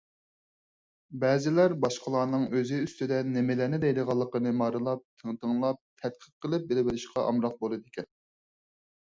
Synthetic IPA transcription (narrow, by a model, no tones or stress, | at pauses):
bɛːzɪlæɾbɑʃqʰəlˠɑːnɨŋøzɪyst̪ɪd̪ɛnemɪlænɪd̪ɛjd̪əʁɑlˠːəqənɨmɑɾɨlˠɑp̚t̪ʰəŋt̪əŋlˠɑp̚t̪ʰɛt̪̚qʰəɾqʰːəlˠɨp̚belɪbɪɾɪʃqɑʔɑ̰mɾɑq̚bolˠɨd̪ɪkʲɛn